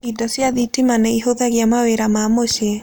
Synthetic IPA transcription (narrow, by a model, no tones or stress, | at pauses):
idɔsjaðitimanɛiɦoðaɣjamaweɾamamoʃe